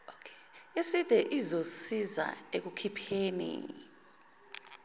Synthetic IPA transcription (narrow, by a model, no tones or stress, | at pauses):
okʰe̥ | esid̥ʱɛʔizosiza̰ek̬ukʰipʰeːnḭ